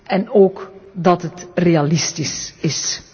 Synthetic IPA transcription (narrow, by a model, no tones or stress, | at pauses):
ɛnoːkdɑtɦətrealɪstisɪs